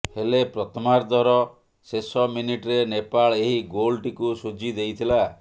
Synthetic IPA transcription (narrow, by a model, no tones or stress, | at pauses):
helepɾɔt̪ʰɔmaɾd̪ɔɾɔ | sesɔminiʈɾenepaɭeɦiɡolʈikusud͡ʒid̪ejt̪ʰila